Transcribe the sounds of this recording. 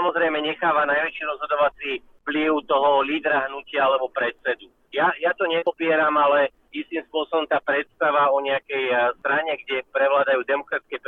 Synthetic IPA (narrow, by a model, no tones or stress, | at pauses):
amɔzɾɛjmɛɲɛxaːʋanajʋɛt͡ʃiɾɔzɦɔd̪ɔʋat͡sifpliʊt̪ɔɦɔliːd̪ɾaɦnucɪaalɛbɔpɾɛt̪sɛd̪u | jajat̪ɔɲɛpɔpɪɛɾamalɛ | ist̪imspʊɔsɔbɔmt̪aːpɾɛt̪st̪aʋaɔɲɛakɛjst̪ɾaɲɛɡɟɛpɾɛʋlaːd̪ajuːd̪ɛmɔkɾatiskɛp